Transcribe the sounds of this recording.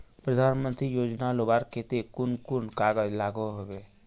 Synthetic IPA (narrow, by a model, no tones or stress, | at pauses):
pɾəd̪ʱaːnmə̃nt̪ɾijoːd͡ʒnalobaːɾket̪ekʊnkʊnkaːɡəlaːɡoɦoʋe